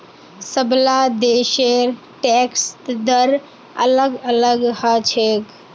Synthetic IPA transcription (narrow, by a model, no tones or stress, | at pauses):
səblad̪eːʃeɾ | ʈekst̪d̪əɾ | ə̰ləɡələɡhət͡ʃʰek